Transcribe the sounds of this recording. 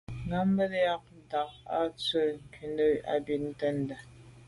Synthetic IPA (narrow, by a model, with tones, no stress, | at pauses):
ŋa˦m̩˦bə˦tja˦k̚n̩˦da˨k̚a̰˦t͡sə˦˨ŋ̩˨ki˨nə˦a̰˦bi˨tn̩˦tə˦n˦də˨